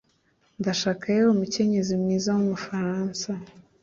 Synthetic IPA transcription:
ndaʃaːkajeomuce̞ɲe̞zimŋiːzawomufaɾaːnsa

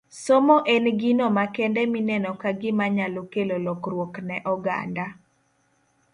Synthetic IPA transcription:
somoʔenɡinɔmakɛndɛminɛnɔkaɡɪmaɲalokelolɔkrwoknɛʔɔɡa̰nda

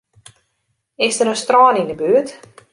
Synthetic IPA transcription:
ɪsdəɾənstrɔːnindəbyət

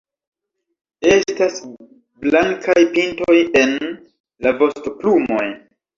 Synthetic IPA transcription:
e̞stas | blaŋkʰajpinto̞je̞n | lavo̞stoplumo̞j

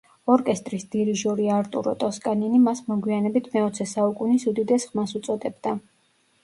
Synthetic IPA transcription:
ɔɾkʼɛst̪ʼɾisd̪̥iɾiʒɔɾiaɾt̪ʼṵɾɔ̰t̪ʼɔskʼaninimasmɔɡwianɛbit̪ʰmɛɔt̪sʰɛsaukʼunisud̪id̪ɛsχmasut̪sʼɔd̪ɛbd̪a

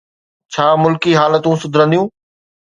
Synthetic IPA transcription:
t͡ɕʰaːmʊlkiɦaːlət̪ũsʊd̪ʱɾə̃nd̪ijũː

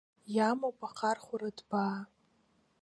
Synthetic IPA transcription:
jamowpʰʼaqʰarχʷaɾadbaː

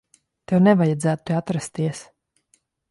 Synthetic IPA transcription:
t̪ewnɛvajad̪zæːt̪at̪ɾast̪iɛs

